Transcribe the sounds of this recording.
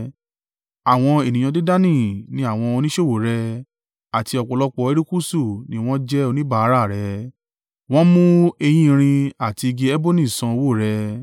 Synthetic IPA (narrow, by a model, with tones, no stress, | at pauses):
a˨w̃ɔ̃˧e˨nĩ˨jã˧de˦da˦nĩ˦˨nĩ˨˦a˦˨w̃ɔ̃˧o˧nĩ˦ʃo˦˨wo˨˦ɾɛ˧ | a˨ti˧ɔ˧˨k͡pɔ˧˨lɔ˦k͡pɔ˧˦e˦ɾi˦ku˦su˦˨nĩ˦w̃ɔ̃˦d͡ʒɛ˦o˧nĩ˦ba˦˨a˨˦ɾa˦˨ɾɛ˨˦ | w̃ɔ̃˦mũ˦e˧j̃ĩ˦˧ɾ̃ĩ˧a˨ti˧ɡe˧ɛ˦bo˦nĩ˦˨sã˧o˧wo˦˨ɾɛ˧